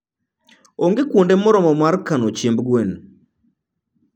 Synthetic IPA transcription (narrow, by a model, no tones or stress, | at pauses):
oŋɡekwondemoɾɔmɔmwaɾkanot͡ʃiembɡwen